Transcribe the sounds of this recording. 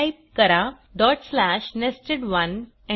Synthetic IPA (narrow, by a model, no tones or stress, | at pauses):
jp̚kəɾa | ɖɔʈslæɕnesʈeɖʋən | ɛ̃